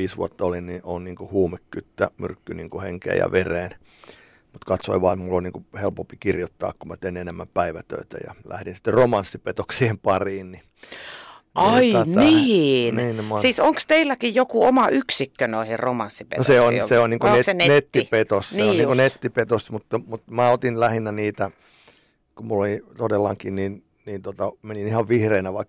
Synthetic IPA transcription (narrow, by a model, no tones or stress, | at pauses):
iːsʋṵɑt̪ːɑolinniʔonniːŋkuhuːmekːyt̪ːæmy̰rkːyniːŋkuheŋkḛːjɑ̰ʋereːn | mut̪kɑt̪so̰iʋɑːmulːoniːŋkuhelpompikirjot̪ːɑ̰ːkkummæt̪einenemːæmpæiʋæt̪ø̰it̪æ̰jɑ̰læ̰hɾinsi̥t̪ːerromɑnsːipet̪oksiempɑriːnni | nɑiniːniːnnemɑsiːsoŋkst̪eilːækijjokuomɑʔyksikːønoihirromɑ̰nsːipḛtnoseonseonniːŋkonesnenet̪ːipet̪ossneonniːkonet̪ːipet̪osmut̪ːɑmut̪mæot̪inlæhinːæniːt̪æ | kumulːolit̪odelːɑŋkinnin | niːnt̪ot̪ɑmeninihɑʋʋihreinæʋɑikː